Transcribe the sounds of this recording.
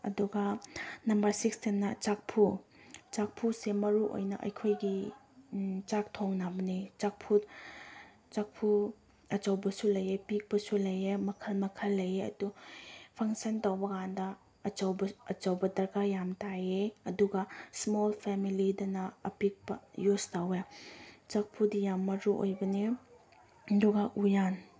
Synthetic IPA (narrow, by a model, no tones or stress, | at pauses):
ɐ̰duɡɐnɐmbɐɾsikstennɐt͡ʃak̚pʰu | t͡ʃak̚pʰusemɐɾuʔo̰jnɐ̰ʔɐ̰jkʰojɡi | t͡ʃak̚tʰoŋnabɐnit͡ʃak̚pʰut̚ | t͡ʃak̚pʰu | ɐt͡ʃɐwbɐsulɐjepik̚pɐsulɐjemɐkʰɐlmɐkʰɐlːɐjeɐ̰dupʰaŋsɐntawbɐɡandɐː | t͡ʃɐwbɐt͡ʃɐwbɐdɐɾkajamtajeɐduɡɐsmolpʰemilidɐnɐɐpik̚bɐ̰justawet͡ʃak̚pʰutjamːɐɾuʔo̰jbɐne | duɡaʔujan